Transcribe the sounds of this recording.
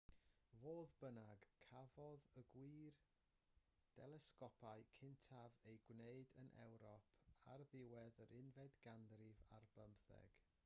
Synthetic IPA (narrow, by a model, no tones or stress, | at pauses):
voːðbənaɡkʰːavɔðəɡwiːr | d̥ɛlˠɛskɔpʰaɨkʰɪntʰavejɡwneɨdənʔɛ̰wɾɔpʰarðɪwɛðəɾʔɪnvɛdɡandrɪva̰rbəmpθɛ̰ɡ̥